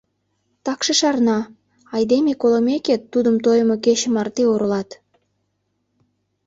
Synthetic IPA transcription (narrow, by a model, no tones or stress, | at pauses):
t̪ɑkʃəʃɑrnɑ | ɑjd̪emekoləmeket̪ːud̪əmt̪ojəmokeɕə̆mɑrt̪eoɾəlɑt̪